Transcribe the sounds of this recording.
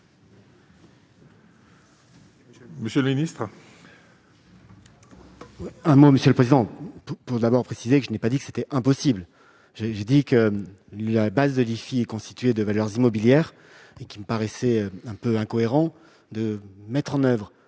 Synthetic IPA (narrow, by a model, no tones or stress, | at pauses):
məsjəlminist̪χ | wiɛ̃moməsjøləpχezid̪ɑ̃pupuʁd̪abɔʁpχesizekəʒənɛpad̪ikə̥se̥t̪ɛɛ̃pɔsibl | ʒeʒed̪ikə | labazd̪əlifiɛkɔ̃st̪i̥t̪ɥed̪əvalœʁzimɔbiljɛʁ | ekʲiməpaʁɛsɛɛ̃pøɛ̃kɔeʁɑ̃ | d̪əmɛt̪χɑ̃nœvʁ